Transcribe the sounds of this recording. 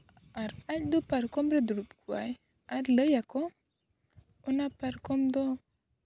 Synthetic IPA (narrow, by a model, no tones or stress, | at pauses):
aɾacd̪opaɾkɔmɾeduɾupkua̰j | aɾləjako | unapaɾkɔmd̪o